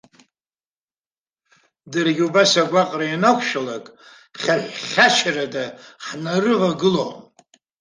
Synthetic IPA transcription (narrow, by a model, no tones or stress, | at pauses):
dɨrɡʲubasaɡʷaqʼrajanakʷʰʃalakʼ | χʲaħʷχʲat͡ʃʰaradaħnarɨʁaɡɨlom